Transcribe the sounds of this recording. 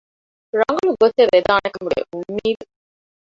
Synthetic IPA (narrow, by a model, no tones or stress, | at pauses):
ɾɐŋɡɐluɡoseʋed̪aːnekɐmuɖḛʔumːiːd̪u